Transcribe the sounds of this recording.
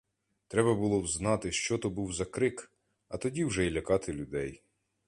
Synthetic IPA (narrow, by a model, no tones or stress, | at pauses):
t̪ɾɛbɐbʊlˠɔwznɑt̪ɪʃt͡ʃɔt̪ɔbuwzɐkɾɪk | ɐt̪ɔdʲiwʒɛilʲɐkɑt̪ɪlʲʊd̪ɛj